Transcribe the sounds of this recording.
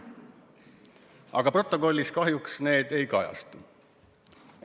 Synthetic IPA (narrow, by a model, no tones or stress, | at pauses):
ɑ̰ɡ̥ɑpro̞t̪ːˑo̞ko̞lʲːiskɑɦjuksne̞ːd̪̥e̞jkɑjɑ̰st̪u